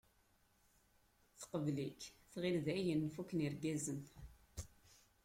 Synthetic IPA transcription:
θə̥qəvlikθʁɪlðæjənːfukːniɾɡæzən

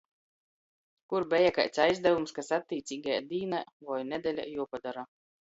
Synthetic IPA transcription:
kuɾbʲɛjaka̰jt̪sʲajzd̪ævumskasat̪ʲːiːt̪sʲiːɡajad̪iːnavɔjnʲɛd̪ʲɛlʲa̰juɔpad̪aɾa

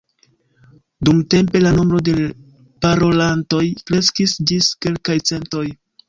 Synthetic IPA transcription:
dumte̞mpe̞lano̞mbɾo̞de̞ | paɾo̞lanto̞jkɾe̞skisd͡ʒiske̞lkajt͡se̞nto̞j

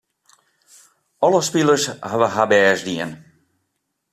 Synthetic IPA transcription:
ɔləspilˠəsɦaʋəɦabɛːzdiən

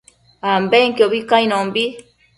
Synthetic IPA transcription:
ambeŋkjoβikaĩnõmbi

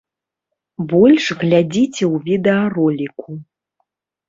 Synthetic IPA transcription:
bɔlʲʂɣlʲad͡zʲit͡sʲɛwvʲid̪ɛɐrɔlʲikʰu

